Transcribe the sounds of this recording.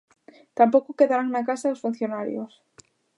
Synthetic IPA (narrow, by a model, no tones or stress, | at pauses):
t̪ampokokeðaɾaŋnakasaosfun̟θjonaɾjo̰s